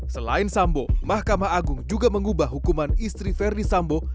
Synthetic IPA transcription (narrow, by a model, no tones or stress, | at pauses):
səla̰ɪnsambomahkamaɦaɡuŋd͡ʒuɡaməŋubahːukumanist̪ɾifɛrdisambo